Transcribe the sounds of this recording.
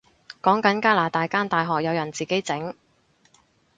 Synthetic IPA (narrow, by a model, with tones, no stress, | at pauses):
kɔː˨˥ŋkɐ˨˧˥nkaː˥laː˨˩t̪aː˨jkaː˥nt̪aː˨jɦɔː˨k̚jɐ˨˧wjɐ˨˩nt͡siː˨ke˨˥jt͡sɪ˨˥ŋ